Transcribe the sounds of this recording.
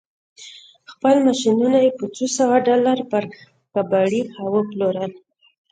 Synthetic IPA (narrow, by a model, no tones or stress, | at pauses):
xpəlmaʃinunajepət͡sosawaɖɑlaɾpəɾ | kabaɽihawəploɾəl